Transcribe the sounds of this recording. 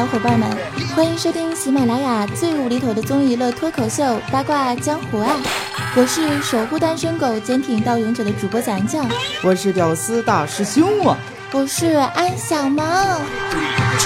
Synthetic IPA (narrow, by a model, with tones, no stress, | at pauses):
xwpa˥˩nmə˧˥˦nxwa˥ni˧˥ŋʂo˥t̪ʰi˥ŋɕi˧˥me˨˩ɪla˧˥ɪja˨˩t͡swe˥˩ɪu˧˩li˧˥t̪ʰo˧˩ʊd̪ə˦˧t͡sʊ˥ŋi˧˥lɤ˥˩t̪ʰwɔ˥kʰo˨˩ʊɕjo˥˩ʊpa˥kwa˥˧t͡ɕjɑ˥ŋxu˨˩a˥˩n | wɔ˨˩ʂɻ̩˥˩ʂo˨˩ʊxu˥˧t̪a˥nʂə˥ŋko˨˩ʊt͡ɕjɛ˧˥nt̪ʰi˨˩ŋt̪ɑ˥˩ʊjʊ˧˥ŋt͡ɕjo˨˩ʊd̪ə˦ʈ͡ʂu˨˩pwɔ˥t͡ɕjɑ˨˧˩ŋt͡ɕjɑ˥˩ŋwɔ˨˩ʂɻ̩˥˩t̪jɑ˨˩ʊsɹ̩˥t̪a˥˩ʂɻ̩˥˩ɕi˥ŋu˥˩ | wɔ˨˩ʂɻ̩˥˧a˥nɕjɑ˨˩ŋmɐ˧